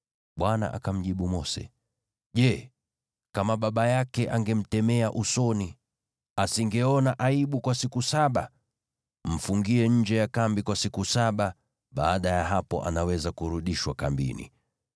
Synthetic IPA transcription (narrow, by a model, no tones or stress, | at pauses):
ɓwana̰ʔa̰kam̩ʄiɓumɔsɛ̰ | ʄɛ | kamaɓaɓajakɛʔaŋɡɛm̩tɛmɛaʔusɔni | asiŋɡɛɔnaʔaiɓukwasikusaɓa | m̩fuŋɡiɛɲ̩d͡ʒɛjakambikwasikusaɓa | ɓaːɗajaɦapɔ̰ʔa̰nawɛzakuɾuɗiʃwakambḭnḭ